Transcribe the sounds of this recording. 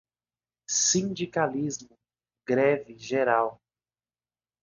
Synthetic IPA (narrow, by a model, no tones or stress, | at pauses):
sĩnd͡ʒikalizmʊ | ɡɾɛvɪʒeɾaw